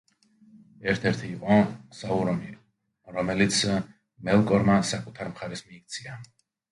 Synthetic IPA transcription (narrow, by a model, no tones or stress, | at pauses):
ɛɾt̪ʰɛɾt̪ʰiːqʼɔsauɾɔni | ɾɔmɛlit̪sʰ | mɛlˠkʼɔɾmasakʼut̪ʰaɾmχaɾɛsmiːk̚ʰt̪sʰia